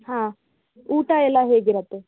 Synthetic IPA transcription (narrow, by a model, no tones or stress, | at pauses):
hãː | uːʈɐɛlːɐɦeːɡiɾɐt̪ːe̞